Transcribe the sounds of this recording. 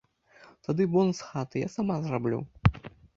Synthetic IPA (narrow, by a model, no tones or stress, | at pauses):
t̪ad̪ɨbɔnsxat̪ɨja̰samazrablʲṵ